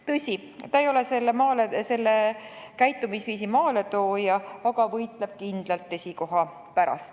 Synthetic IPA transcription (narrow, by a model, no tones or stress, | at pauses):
t̪ɤsʲi | t̪ɑejo̞leselːemɑːlese̞lːe | kæjt̪ːˑumisviːsimɑːle̞t̪oːjɑɑɡ̥ɑvɤjt̪ˑle̞b̥̚kind̪̥lɑlt̪ːˑe̞sʲiko̞ɦɑ | pæɾɑ̰st̪